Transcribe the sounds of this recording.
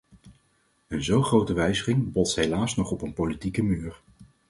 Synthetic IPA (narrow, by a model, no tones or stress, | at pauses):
ənzowχrowtəʋɛjzəχɪŋbɔtsɦejlaːsnɔχɔpənpolitikəmyːɹ